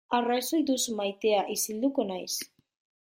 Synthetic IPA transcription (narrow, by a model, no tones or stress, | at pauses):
arajsojd̪usmajt̪eaʔisild̪ukonajs